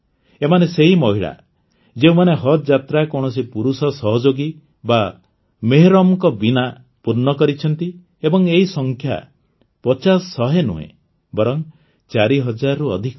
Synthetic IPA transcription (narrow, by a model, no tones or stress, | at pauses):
emaneseɦimɔɦiɭa̰ | d͡ʒeũmaneɦɔt̪̚d͡ʒat̪ɾakɔɽ̃ɔsipuɾusɔsɔɦɔd͡ʒoɡi | ba | meɦeɾɔmkɔbina | puɾnɔkɔɾit͡ʃʰɔnt̪i | ebɔŋeɦisɔŋkʰja̰ | pɔt͡ʃasːɔɦenṵɦḛ̃ | bɔɾɔŋ | t͡ʃaɾiɦɔd͡ʒaɾɔɾuɔd̪ʱik